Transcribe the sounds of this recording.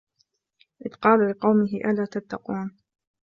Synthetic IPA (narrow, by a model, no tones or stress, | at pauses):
ʔɪðqɑːlalɪqɑwmɪɦɪʔalaːt̪at̪ːɑquːn